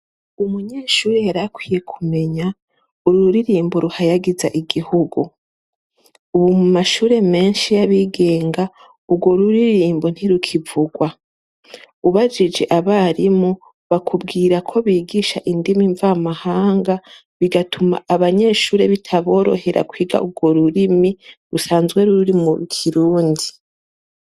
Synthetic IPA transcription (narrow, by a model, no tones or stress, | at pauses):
umuɲe̞ːʃuːɾe̞jaɾakwiːje̞kʰume̞ɲa | uɾuuɾiɾiːmboɾuhajaɡiza̰ʔiɡihuɡu | uβumumaʃuːɾe̞me̞ːnʃijaβiɡe̞ːŋɡa | ubɡoɾuɾiɾiːmbon̥hiɾukʰivuɡwa | uβad͡ʒid͡ʒe̞ʔaβaɾimo | βakʰub̚ɡiːɾakʰo̞βiːɡiʃaʔindimiɱvamahaːŋɡa | βiɡatʰuma̰ʔaβaɲe̞ːʃuːɾe̞βitʰaβo̞ːɾo̞̰he̞ɾʔa̰kwiːɡa̰ʔuɡwo̞ɾuɾimiɾusaːnzɡwe̞ɾuɾuɾimuɾukʰiɾuːndi